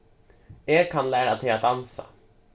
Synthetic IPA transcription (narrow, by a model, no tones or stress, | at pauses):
ɛːɡkʰːanlæːɾat̪ʰɛat̪̚d̪ansa̰